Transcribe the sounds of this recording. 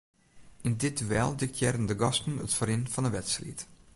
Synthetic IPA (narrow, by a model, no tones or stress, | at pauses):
ɪndɪdʋɛ̰lˠdɪk̚tʰjɛrəndəɡɑstn̩ə̰tfəɾɪnfɔnəʋɛtstrḭt